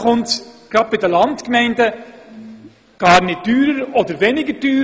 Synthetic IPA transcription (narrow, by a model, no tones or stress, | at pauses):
χʊntɡ̥ɾɑd̚b̥ɪdəlɑntkmɛɪndə | ɡ̥ɑːɾnɪt̚d̥yːɾəɾɔdəɾʋɛnɪɡəd̥yː